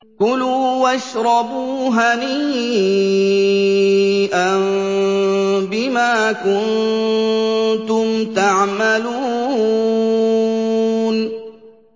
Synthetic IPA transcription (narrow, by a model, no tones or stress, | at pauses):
kʊluːwaʃɾˤɑbuːɦaniː | ʔan | bɪmaːkʊn | t̪ʊmt̪aʕmaluː | n